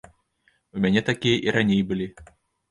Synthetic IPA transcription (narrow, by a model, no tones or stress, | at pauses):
umʲanʲɛt̪akʲijɐʔiɾanʲejbɨlʲi